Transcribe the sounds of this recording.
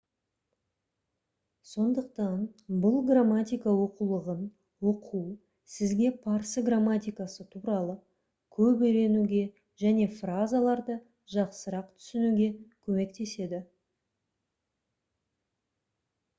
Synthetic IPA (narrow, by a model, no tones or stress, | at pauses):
so̞nd̪əq̚t̪ɑnbʊlˠɡramːat̪ʲijkawo̞qulˠəʁən | woqʰu | sɪzɡʲe̞pʰɑɾsəɡramːat̪ʲijkasət̪ʰuɾɑlˠə | kʲʰɵpejɾe̞nuɡʲe̞ | ʒæne̞frazalˠɑɾd̪ə | ʒɑqsəɾɑqt̪ʰʏ̥sɪnuɡʲe̞kʲʰɵme̞kt̪e̞se̞d̪ɪ